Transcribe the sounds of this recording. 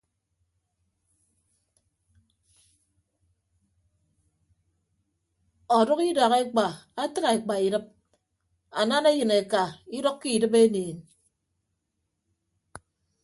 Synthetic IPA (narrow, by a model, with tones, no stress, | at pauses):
ɔ˨dɔ˦ki˦da˨ɣe˦k͡pa˨a˦tɨ˦ka˨e˨k͡pa˨i˨dɨ˦p̚ | a˨na˦ne˦jɨ˨ne˨ka˨i˦dɔ˦kkːi˦˨dɨ˦pe˦neː˨n